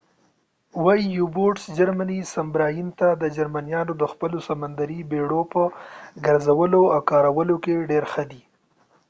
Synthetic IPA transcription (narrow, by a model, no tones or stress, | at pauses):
wɑjijuboʈsd͡ʒaɾmanisambɾɑjint̪ad̪əd͡ʒaɾmanijɑnod̪əxpəlosamand̪aɾibeɽopəɡaɾzawəloawkɑɾawəlokeɖeɾxəd̪i